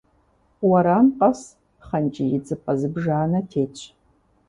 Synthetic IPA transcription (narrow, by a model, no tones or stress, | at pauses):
wɐɾanqʼɐs | χɐnt͡ʃʼɪjɪd͡zʼɨpʼɐzɨbʒaːnɐtʰeːt͡ʃʷʰʼ